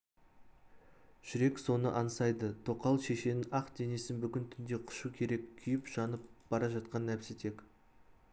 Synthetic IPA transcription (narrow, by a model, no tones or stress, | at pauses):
ʒ̥ʏɾe̞kso̞nə̰ʔɑnsɑjd̪ət̪ʰo̞qɑlˠʃe̞ʃe̞nɪnʔɑqd̪e̞ne̞sɪnbʏkʲɪnt̪ʰʏnd̪e̞qʰʊ̥ʃukʲʰe̞ɾe̞kkʲʰʏjɪpʒ̥ɑnəp̚b̥ɑɾɑʒɑt̪̚qɑnːæpset̪e̞kʲ